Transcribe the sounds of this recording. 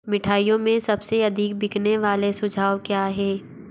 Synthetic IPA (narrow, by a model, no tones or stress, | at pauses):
mɪʈʰaːijõmẽsɐbseɐd̪ʱikbɪkneʋaːlesʊd͡ʒʱaːwkjaːɦɛː